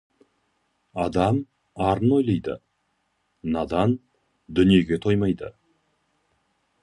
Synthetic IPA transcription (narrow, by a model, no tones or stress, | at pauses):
ɑd̪ɑm | ɑɾəno̞jlˠɑjd̪ə̰ | nɑd̪ɑn | d̪ʏnije̞ɡʲe̞t̪ʰo̞jmɑjd̪ə̰